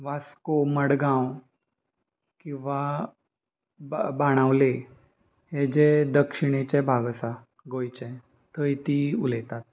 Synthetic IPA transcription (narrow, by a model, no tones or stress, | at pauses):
ʋaskoməɽɡãw | kĩw̃ʋa | bbaɽ̃aʋle | ɦed͡ʑed̪əkʂiɽ̃et͡ɕɛbʱaɡsa | ɡojt͡ɕɛ | t̪ʰəjt̪iulet̪at̪̚